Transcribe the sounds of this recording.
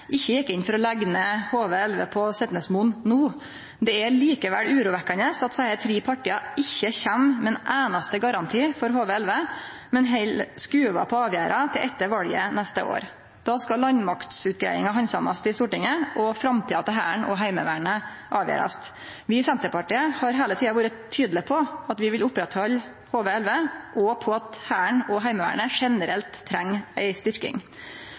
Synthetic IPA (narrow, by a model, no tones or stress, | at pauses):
ʔɪçːəjɛkːəɪnfɔɾɔlæɡnəhoːʋəɛlʋə̰pʰɔsɛt̪nəsmunnuː | d̪ɛæɭiːkəʋæ̰ɽʉːɾuːʋɛkːənəsɑt̪sæɪəɾt̪ʰɾiːpʰɑʈiːɑɪçːəçæmmɛnʔæːnɑst̪əɡɑɾɑnt̪ʰiːfɔɾɦoːʋəɛlʋə | mɛnɦɛɪlskʉːʋɑ̰pʰɔɑːʋjæːɾʔɑt̪ʰɪlʔɛt̪ːəɾʋɑljə̰nɛst̪ə̰ʔo̰ːɾ | d̪̥ɑːskɑlɑnmɑkt̪sʉːt̪̚ɡɾæ̰ɪɪ̰ŋɑɦɑnsɑmɑst̪ɪst̪uːʈɪŋəʔɔfɾɑmt̪ʰiːɑt̪ɛɦæːɳʔɔ̰ɦæɪmə̰ʋæ̰ːɳə | ʔɑːʋjæ̰ːɾɑ̰st̪ | ʋɪsɛnt̪əpɑʈiːəhɑɾɦeːlət̪ʰiːɑʋuːɾətt̪ʰːyːd̪lɪpʰɔɑt̪ʋɪʋɪlʊpːɾɛt̪hɔl | hoːʋəɛlʋəʔɔpʰɔɑt̪hæːəɳɔɦæɪməʋæ̰ːɳəʂɛnəɾɛlt̪ʰːɾɛŋːæɪst̪ʏɾkɪ̰ŋ